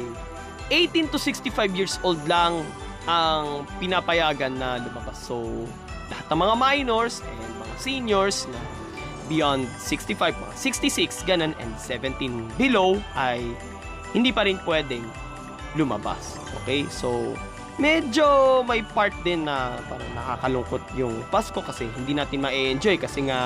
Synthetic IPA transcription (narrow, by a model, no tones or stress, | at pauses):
j | ʔejt̪int̪ʊsɪkst̪ɪfajvjiːɹsʔold̪lɐŋ | ʔɐŋpɪnapɐjaːɡɐnːɐlʊmɐbasːo | lɐhat̪nɐŋmɐŋamajnoɹsʔɛnd̪̚mɐ̰ŋa̰sinjoɹsnɐ | bɪjɔnd̪̚sɪkst̪ifajvmɐ̰ŋa̰sɪkst̪isɪksɡɐnonɛ̰nd̪̚sɛvɛ̃nt̪inbɪlowʔɐj | hɪnd̪iːpɐɾɪnpwɛːd̪ɛŋ | lʊmɐ̰ba̰s | ʔo̰kɛjsow | mɛd͡ʒomɐjpaɹt̪̚d̪ɪnːɐpa̰ːɾɐnɐkaːkɐlʊŋkot̪̚jʊŋpasko̞kɐsɛhɪnd̪iːnaːt̪ɪnmɐʔɛʔɛnd͡ʒo̞jkɐsɛŋa